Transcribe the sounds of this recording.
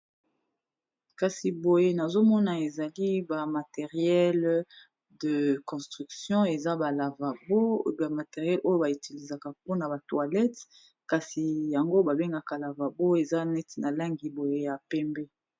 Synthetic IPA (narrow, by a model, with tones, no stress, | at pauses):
ka˨si˨bo˨je˦na˨zo˦mɔ˦na˨e˨za˨li˦ba˨ma˨te˨ʁjɛ˦l | də˨kɔ̃˨stʁy˨ksjɔ̃˦e˨za˦ba˨la˨va˨bo˦ba˨ma˨te˨ʁjɛ˦lʔo˦jo˦ba˨i˨ti˨li˨za˨ka˨p̚o˦na˨ba˨twa˨lɛ˦t | ka˨si˨ja˨ŋɡo˦ba˨be˦ŋɡa˨ka˨la˨va˨bo˦e˨za˦nɛ˦tna˨la˦ŋɡi˨bo˨je˦ja˨pɛ˦mbɛ˦